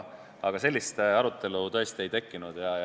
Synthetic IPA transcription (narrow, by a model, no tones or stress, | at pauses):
ɑɡ̥ɑse̞lʲːist̪ɑɾut̪ːˑe̞lut̪ø̞est̪ie̞jt̪e̞kːinud̪̥jɑ